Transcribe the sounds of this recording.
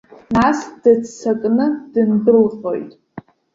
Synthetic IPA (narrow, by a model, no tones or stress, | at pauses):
nasd̥ɨt͡st͡sʰakʼnɨd̥ɨndɨlχo̞̰jtʼ